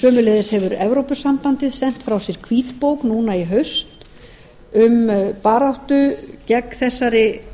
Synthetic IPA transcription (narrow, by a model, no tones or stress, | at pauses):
sœːmʏleːðɪshɛvʏɾɛvɾowpʏsampant̪ɪðsɛn̥t̪fɾawsjɛɾ̥kʰviːt̪powknuːnaiɦœɥst̪ | ʏmpaːɾawht̪ʏcɛkθɛsːaɾɪ